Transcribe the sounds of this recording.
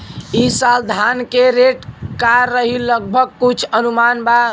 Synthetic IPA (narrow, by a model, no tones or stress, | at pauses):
isald̪ʱankeɾeʈkaɾːəɦiləɡ̚bʱəɡ̚kut͡ʃʰənumanba